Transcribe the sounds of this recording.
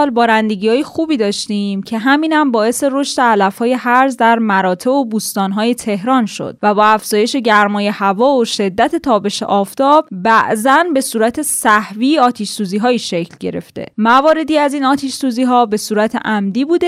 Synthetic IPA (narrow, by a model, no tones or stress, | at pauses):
lbɒːɾænd̪eɟiːɒːjexuːbiːd̪ɒːʃt̪imcʰe̞ɦæmiːnæmbɒːe̞se̞ɾo̞ʃt̪eælæfhɒːje̞hæɾzd̪æɾmæɾɒːt̪ʰe̞bobuːst̪ɒːnɦɒːje̞t̪ʰe̞hɾɒːnʃo̞̰d̪̥̚væbɒːæfz̥ɒːje̞ʃe̞ɟæɾmɒːje̞hævɒːoʃe̞d̪ːæt̪ʰe̞t̪ʰɒːbe̞ʃḛʔɒːft̪ɒːb̥bæʔzænbe̞suːɾæt̪ʰe̞sæhviːɒːt̪ʰiʃsuːziːɦɒːjiːʃe̞cʰlɟe̞̰ɾe̞̰ft̪e̞̰mævɒːɾe̞d̪iːæziːnɒːt̪ʰiʃsuːziːɦɒːbe̞suːɾæt̪ʰḛʔæmd̪iːbuːd̪e